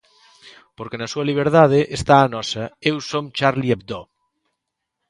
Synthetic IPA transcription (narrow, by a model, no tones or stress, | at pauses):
poɾkenasuɐliβ̞eɾðað̞eʔest̪aːnɔsɐewsomt͡ʃaɾliep̚d̪o